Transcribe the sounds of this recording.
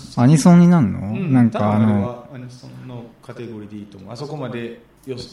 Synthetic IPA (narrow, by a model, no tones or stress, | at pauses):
aɲ̟isõɲ̟ːinãnːo̰nãŋkaːnoiõnːokʰat̪e̞ɡo̞ɾʲiːd̪e̞iːt̪omoasokomad̪e̞ | jo